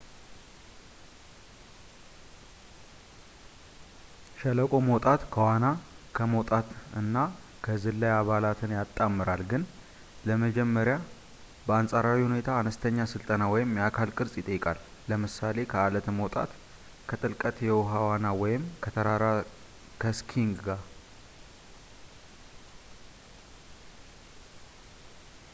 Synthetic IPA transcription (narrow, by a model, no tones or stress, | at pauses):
ʃɛləkʼo̞mot̪ʼat̪kʰəwanakʰəmowt̪ʼat̪ɨnːa | kʰəzɨlːajaβalat̪ʰɨnjat̪ʼːamːɨɾalɡɨn | ləməd͡ʒɛmːəɾja | bəansʼaɾawihune̞t̪ʰaːnəst̪ʰəɲːasɨlt̪ʼənawɔjɪmjakʰalkʼɨɾsʼjɪt̪ʼəjːɪkʼalːəmɨsale̞kʰəalət̪ʰmowt̪ʼa̰t̪ | kʰət̪ʼɨlkʼət̪jɛwɦawanawɔjɪmkʰət̪ʰəɾaɾa | kʰəskʰiŋɡɡa